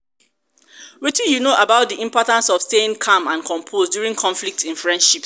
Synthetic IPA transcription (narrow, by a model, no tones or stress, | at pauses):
witĩjunoʔabaʊt̚diʔĩmpɔtãnsɔv̥steĩŋkʰãmãnkʰɔ̃mpʰozdjuɹĩŋkʰɔ̃nflik̚tĩnfɹɛ̃ndʃips